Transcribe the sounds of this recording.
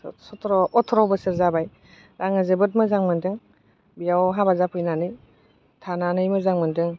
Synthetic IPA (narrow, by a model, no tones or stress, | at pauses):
sɔtʰɾɔɔtʰɔɾɔwbɯsiɾzabaj | ɾaŋɯzɯbɯt̬̚mɯzaŋmɯntɯŋ | bijawɦabazapʰɯjnanɯj | tʰananɯjmɯzaŋmɯntɯŋ